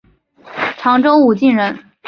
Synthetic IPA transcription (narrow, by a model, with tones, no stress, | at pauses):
ʈ͡ʂʰɑ˧˥ŋʈ͡ʂo˥ʊu˨˩t͡ɕi˥˩nɻə˧˥n